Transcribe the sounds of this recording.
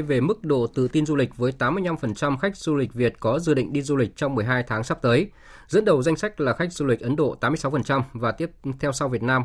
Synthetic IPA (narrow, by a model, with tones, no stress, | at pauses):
jve˨˩mɨ˦˥k̚ɗo̰˧˨t̪ɨ̰˧˨t̪i˧nzu˧li˨˩k̟̚vəː˨˦jt̪aː˨˦mːɨ˧əjna˧mfə˨˩nt͡ɕa˧mxa˦˥k̟̚zu˧li˨˩k̚vi˨˩ət̚kɔ˨˦zɨ̰˧˩ɗḭ̈˧˨ŋ̟ɗi˧zu˧lï˨˩k̟̚t͡ɕɔ˧wŋ͡mmɨ˨˩əjɦaː˧jt̪ʰaː˨˦ŋsa˦˥p̚t̪əː˨˦j | zɨ̰˧˥ənɗə˨˩wza˧jŋsa˦˥k̚laː˨˩xa˦˥k̚zu˧lï˨˩k̟̚ʔə˨˦nɗo̰˧˨t̪aː˨˦mɨ˧əsa˨˦wfə˨˩nt͡ɕa˧mvaː˨˩t̪i˦˥əp̚t̪ʰɛ˧wsa˧wvi˨˩ət̚naː˧m